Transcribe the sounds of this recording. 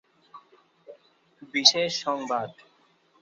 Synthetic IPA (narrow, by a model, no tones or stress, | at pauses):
biʃeʃːɔŋbad̪